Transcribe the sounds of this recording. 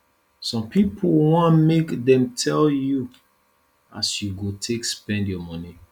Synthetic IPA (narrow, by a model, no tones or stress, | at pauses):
sɔ̃mpʰipʰolwɔ̃nmekdɛ̃mtʰɛlju | a̰sjuɡotʰekspɛ̃ndjɔmɔni